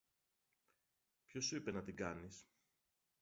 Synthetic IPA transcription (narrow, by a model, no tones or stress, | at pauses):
pço̞suipe̞nɐt̪iɡɐnis